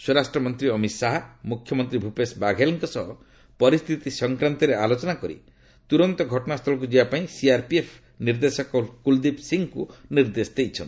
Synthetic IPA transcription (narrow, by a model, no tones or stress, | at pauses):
swɔɾasʈɾɔmɔnt̪ɾiɔmit̪saɦamukʰjɔmɔnt̪ɾibʱupesbaɡʱeliŋkɔsɔɦɔ | pɔɾist̪ʰit̪isɔŋkɾant̪ɔɾealot͡ʃɔnakɔɾḭ | t̪uɾɔnt̪ɔɡʱɔʈɔnast̪ʰɔlɔk̬ud͡ʒibapaĩsiaɾpiepʰ | niɾd̪esɔkɔkuld̪ipsiŋkuniɾd̪esd̪ejt͡ʃʰɔ̰n